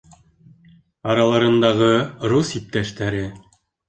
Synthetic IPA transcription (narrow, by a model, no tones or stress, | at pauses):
ɑɾɑlˠɑɾɤ̆nd̪ɑʁɤɾusip̚t̪æʃt̪æɾɘ